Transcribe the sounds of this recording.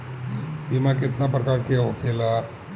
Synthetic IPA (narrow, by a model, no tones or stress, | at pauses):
bimãkɪt̪napɾɐkaːɾkijaɦokʰeːla